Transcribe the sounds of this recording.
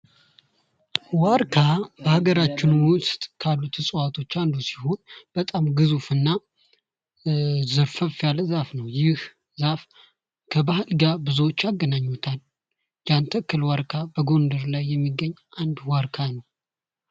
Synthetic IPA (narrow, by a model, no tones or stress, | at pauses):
waɾkʰabəhaɡəɾat͡ʃːɪnwʊst̪ʼkʰalːut̪ʰɨsʼəwat̪ʰo̞t͡ʃːand̪usi̥ho̞nb̥ət̪ʼamɡɨzufɨnːa | zɨɾfəfjalzafnəwjɪh | zaf | kʰəbahɨlɡabɨzuwot͡ʃːaɡːənaɲːut̪ʰal | d͡ʒant̪ʰəkːɨlwaɾkʰabəɡo̞nd̪əɾlajːɛmːiɡːəɲːʔand̪waɾkʰanəw